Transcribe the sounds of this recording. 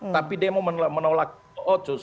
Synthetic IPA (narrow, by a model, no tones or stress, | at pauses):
t̪apidiamaməmənolak̚ | ɔʔɔt͡ʃos